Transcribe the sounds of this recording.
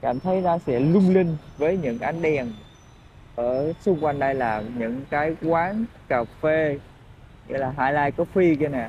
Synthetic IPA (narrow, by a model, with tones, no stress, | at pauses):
ka̰ː˧˩mt̪ʰə˨˦jt̪aː˧sɛ̰˧˥lʊ˧ŋ͡mlï˧ŋ̟vəː˨˦jɲɨ̰˧˥ŋʔa˨˧˩jŋ̟ɗɛ˨˩əŋ | ʔəː˧˩sʊ˧ŋ͡mkwa˧jŋ̟ɗə˧jlaː˨˩ɲɨ̰˧˥ŋkaː˨˦jkwaː˨˦nkaː˨˩fe˧ | ŋḭ˧˥laː˨˩ɦaː˧jlaː˧jkɔ˨˦fi˧ki˧naː˨˩